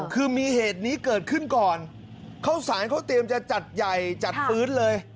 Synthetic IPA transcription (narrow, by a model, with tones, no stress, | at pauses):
kʰɯː˧miː˧heː˨˩t̪̚niː˦˥kɤː˨˩t̪̚kʰɯ˥˩nkɔː˨˩n | kʰa˦˥wsaː˩˦nkʰa˦˥wt̪i˧əmt͡ɕa˨˩t͡ɕa˨˩t̪̚ja˨˩jt͡ɕa˨˩t̪̚fpɯː˦˥nlɤː˧j